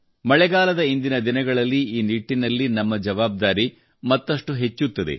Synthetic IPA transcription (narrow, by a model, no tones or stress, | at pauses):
mɐɭɛɡaːlɐd̪ɐind̪inɐd̪inɐɡɐɭɐlːiiːniʈːinɐlːinɐmːɐd͡ʒɐʋaːb̚d̪aːɾi | mɐt̪ːɐʂʈuɦe̞t͡ʃːut̪ːɐd̪e̞̰